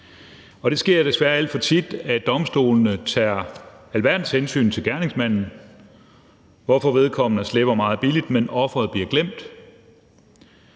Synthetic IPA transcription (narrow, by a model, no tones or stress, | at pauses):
ɒ̽ɾ̥e̝sɡ̥e̝ɐd̥e̝sʋæɐæl̰d̥fɒ̽t͡sʰid̥æd̥ɒ̽msd̥o̝̰ːlnət͡sʰæːælʋæɐd̥n̩ˠshensy̰ːnt͡sʰe̝lɡ̥æɐne̝ŋsmæn̰n̩ | ʋɒfɒ̽ʋe̝ð̞ˠkʰɒ̽m̰nəsleb̥ɐmɑ̈ːð̞̩ˠb̥ilid̥menɒ̽fʁɐð̞̩ˠb̥liɐɡ̥lem̰d̥